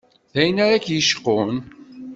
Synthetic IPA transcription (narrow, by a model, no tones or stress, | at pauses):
θæjənaɾækjəʃqːoʊn